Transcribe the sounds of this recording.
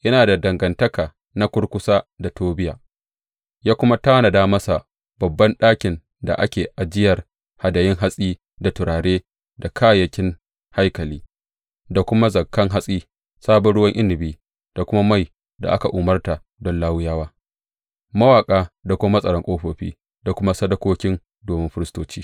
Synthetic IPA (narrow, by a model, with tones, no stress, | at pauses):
ʔɐ˦naː˨da˨dɐ˨ŋɡɐ˨ntɐ˦kaː˨ | na˦kʷʊ˦ɽkʷʊ˦saː˦da˨toː˦bɪ˦ja̰ː˨ | jaː˦kʷʊ˦ma˦ta˦wna˨daː˦mɐ˦sa˨ | b̥ɐ˨bːɐ˦nɗaː˦kʲɪ˨n | da̰˨ʔa˦kʲeː˨ʔa˨d͡ʒɪ˦jɐ˨r | ha˨dɐ˨jɪ˦ŋɦa˦sʼiː˦ | da˨tʊ˨ɾaː˨ɽeː˦ | da˨kʰaː˦jɐ˦kʲɪ˦ŋ | ha˦jkɐ˨liː˦ | da˨kʷʊ˦ma˦zɐ˨kːɐ˦ŋɦa˦sʼiː˦ | saː˦bɔ˨˦ɽʊ˦wɐ˦ŋʔɪ˦ndɪ˨biː˦ | d̥a˨kʷʊ˦ma˦ma˦˨j | da̰˨ʔa˦ka˨ʔuː˨mɐ˦rta˨ | dɔ˦nlaː˦wʊ˦jaː˦waː˦ | mɐ˦waː˨kʼaː˦da˨kʷʊ˦a˦mɐ˦sʼɐ˨ɾɐ˦ŋkʼoː˦ɸoː˨ɸḭː˦ | da˨kʷʊ˦ma˦sɐ˦dɐ˦kʷoː˦kʲɪ˦n | doː˨mɪ˦mɸɪ˦ɾɪ˦stoː˦t͡ʃiː˦